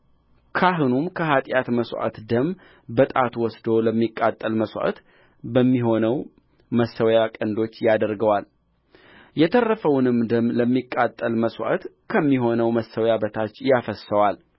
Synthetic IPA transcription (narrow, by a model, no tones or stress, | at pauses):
kʰaɦɨnumkʰəhat̪ʼjat̪məswʔa̰t̪d̪əm | bət̪ʼat̪ʰwɔsd̪o̞ləmːikʼːat̪ʼːəlməswʔa̰t̪ | bəmːiɦo̞nəw | məsəwjakʼənd̪o̞t͡ʃːjad̪əɾɡəwal | jɛt̪ʰərːəfəwnɨmd̪əmləmːikʼːat̪ʼːəlməswʔa̰t̪ | kʰəmːiɦo̞nəwməsːəwjabət̪ʰat͡ʃːjafəsːəwal